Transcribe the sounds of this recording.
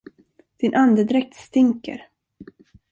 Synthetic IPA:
d̪̥ɪnʔand̪əd̪ɾɛk̚t̪st̪ɪŋkə̰ɾ

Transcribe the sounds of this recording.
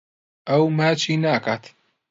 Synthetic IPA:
ʔɐwmaːt͡ʃʰinaːkat̪

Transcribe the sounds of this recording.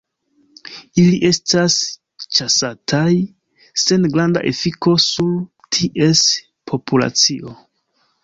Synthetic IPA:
iliʔe̞stas | t͡ʃasatʰaj | se̞nɡɾanda̰ʔe̞fiko̞suɾ | tʰiʔe̞s | pʰo̞pula̰t͡siʔo̞

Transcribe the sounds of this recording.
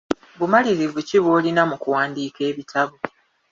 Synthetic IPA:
βumaliɾivuciβoːlinamukuwaːndiːke̞ːβitʰaβu

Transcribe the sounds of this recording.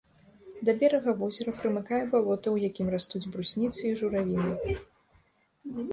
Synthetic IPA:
d̪ɐbʲɛɾɐɣɐvɔzʲɛɾɐpɾɨmɨkajɛbalˠɔt̪ɐwjakʲimrast̪ud͡zʲbɾusʲnʲit̪sɨiʐuɾavʲinʲɨ

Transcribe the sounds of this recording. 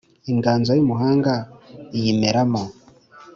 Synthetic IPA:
iŋɡaːnzajumuɦaːŋɡaijimeɾamo

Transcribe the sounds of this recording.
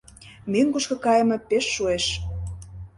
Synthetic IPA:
meŋkuʃkɤ̆kɑjə̆mɤ̆peʃːueʃ

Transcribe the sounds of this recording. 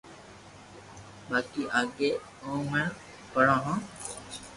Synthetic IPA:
ɓaːkiːʔaːɠeː | õːməɳ | pəɽãːɦãː

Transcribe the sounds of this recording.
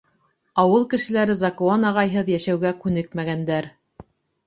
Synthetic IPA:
ɑwɤlˠkɘ̆ʃɘ̆læɾɘzɑkuɑnɑʁɑjɦɤðjæʃæwɡækʉnɘkmæɡænd̪æɾ

